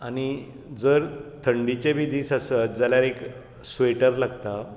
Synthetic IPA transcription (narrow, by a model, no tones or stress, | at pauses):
añi | d͡zəɾt̪ʰəɳɖit͡ɕebʱid̪iːsasət̪̚d͡zaljaɾek | sʋeʈəɾlaɡt̪a